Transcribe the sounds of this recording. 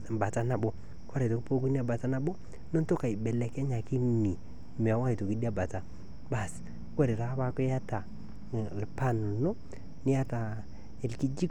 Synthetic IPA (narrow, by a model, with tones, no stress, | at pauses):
ba˨ta˦na˨bo˦ | kwa˦ɾe˨to˨kpo˦ku˦ni˦a˦˨ba˨ta˦na˦bo˦ | nɔ˦nto˦ka˨i˨bɛ˨lɛ˨kɛ˦ɲa˨ki˦ni˨ | me˨a˨wa˦i˨to˨ki˦di˦a˦ba˨ta˨ | ba˨s | kʷa˦ɾe˨ta˨˦ba˦kʊ˦ja˦ta˨ | lpa˦n˨no˦ | nɪ˦ja˦ta˨ | e˨lki˦d͡ʒi˦k